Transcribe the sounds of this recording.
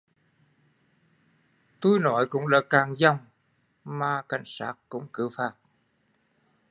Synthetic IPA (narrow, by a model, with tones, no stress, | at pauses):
t̪u˧jnɔ˨˦jkʊ̰˧˥ŋ͡mlaː˧˦kaː˨˩ŋza˧˩wŋ͡m | maː˨˩ka˨˩jŋ̟saː˦˥t̚kʊ̰˧˥ŋ͡mkɨ˨˧˦wfaː˧˩t̚